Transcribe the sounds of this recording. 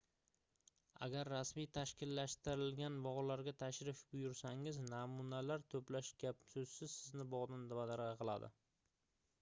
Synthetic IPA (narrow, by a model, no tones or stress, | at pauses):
a̰ɡʲaɾːasmijt̪ʰaʃkʲʰɪlːaʃt̪ɪɾɪlɡʲanbɒʁlaɾɡʲat̪ʰaʃɾɪfbʊjʊɾsaŋɪznamunalaɾt̪ʰɵplaʃɡʲapsɵzsɪz̥sɪznɪbɒʁd̪and̪abad̪aɾɑqʰɨlˠa̰d̪ɪ̰